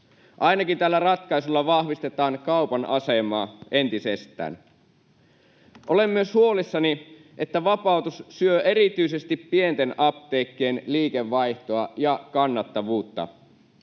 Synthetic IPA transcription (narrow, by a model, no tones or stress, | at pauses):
ʔɑjnɑkint̪ælːærɑt̪kɑisulːɑʋɑhʋist̪et̪ɑːŋkɑwpɑnʔɑ̰semɑːʔe̞nt̪isest̪ˑæ̰ːn | ʔolemːyøshuo̞lisːɑni | ʔet̪ːæʋɑpɑˑut̪ussyøʔe̞ɾit̪yisest̪ipːient̪enɑpt̪eːkːeːnliːkeʋːɑjht̪oɑjɑkɑnːɑt̪ːɑʋuːt̪ːɑ̰